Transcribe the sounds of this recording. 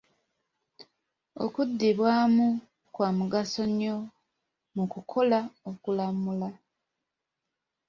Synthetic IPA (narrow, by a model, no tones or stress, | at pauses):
o̞̰kudːiβwaːmu | kwaːmuɡaso̞ɲːo̞ | mukukʰo̞laokulamula